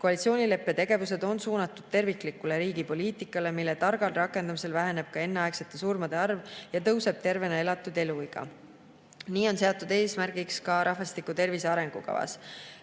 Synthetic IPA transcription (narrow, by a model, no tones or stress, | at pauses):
ko̞ɑlit̪sio̞ːnʲile̞pːe̞t̪e̞ɡ̥e̞vuse̞d̪̥o̞nsuːnɑt̪ːˑud̪̥̚t̪e̞rvikˑlikːˑule̞ɾiːɡ̥ipo̞liːt̪ikːˑɑle̞milːet̪ɑrɡ̥ɑlrɑkːˑe̞nd̪̥ɑmise̞lvæɦe̞ne̞b̥̚kɑe̞nːeɑekse̞t̪ˑːe̞suːrmɑd̪̥e̞ɑrvjɑt̪ɤwse̞b̥̚t̪e̞rve̞nɑe̞lɑt̪ːˑud̪e̞luiɡ̥ɑ̰ | niːo̞nseot̪ːˑud̪̥e̞ːsmærɡ̥ikskɑɾʔɑɦvɑst̪ikut̪e̞rvise̞ɑɾe̞ŋɡ̥ukɑ̰vɑ̰s